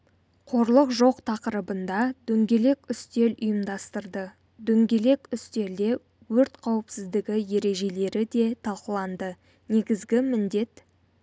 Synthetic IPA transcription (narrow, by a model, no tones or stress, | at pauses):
qʰo̞ɾlˠəqʒo̞qt̪ʰɑqəɾəbənd̪ɑd̪̥ɵŋɡʲe̞le̞kʲʏst̪e̞lʊjəmd̪ɑst̪əɾd̪ə | d̪ɵŋɡʲe̞le̞kʲʏst̪e̞ɾd̪e̞ | wɵɾt̪qʰɑwəpsɪzd̪ɪɡʲɪje̞ɾe̞ʒe̞le̞ɾɪd̪e̞t̪ʰɑlˠqəlˠɑnd̪ə | ne̞ɡʲɪzɡʲɪmɪnd̪e̞t̪